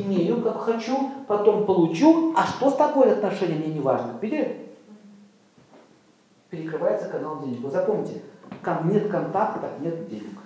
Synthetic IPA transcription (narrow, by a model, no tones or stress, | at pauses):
ɪmʲejʊkakxɐt͡ɕupɐt̪o̞mpəlˠʊt͡ɕuɐʂt̪o̞st̪ɐko̞jəɐt̪nɐʂɛnʲɪjəmnʲenʲɪvaʐnəbʲidʲɪ | pʲɪɾʲɪkɾɨvajɪt̪səkɐnalˠdʲenʲɪkvɨzɐpomnʲɪtʲɪkamnʲet̪kɐnt̪ak̚t̪ək̪aknʲet̪dʲenʲɪk